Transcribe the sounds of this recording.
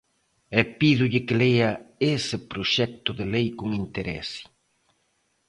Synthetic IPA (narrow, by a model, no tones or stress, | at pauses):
ɛpiðʊʎɪkɪlejɐesɪpɾoʃɛk̚t̪ʊðelejkoŋint̪eɾɛ̰si̥